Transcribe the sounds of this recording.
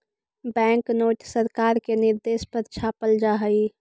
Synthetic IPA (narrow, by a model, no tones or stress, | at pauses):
bɛ̃ŋknoːʈsəɾkaːɾkenɪɾd̪eːspəɾt͡ʃʰaːpəld͡ʒaɦəi